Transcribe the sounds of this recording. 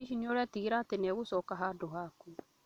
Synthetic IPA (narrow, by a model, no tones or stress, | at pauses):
iʃiɲoɾɛtiɣiɾatɪnɛwʊsɔkaɦadʊɦakũ